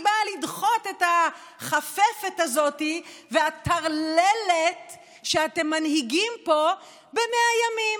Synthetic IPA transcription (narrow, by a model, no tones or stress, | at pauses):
balid̪χo̞t̪e̞ta | χafefetazo̞tiveat̪ʰaʁlelet | ʃeate̞mːanhiɡimpo̞ | be̞meajamim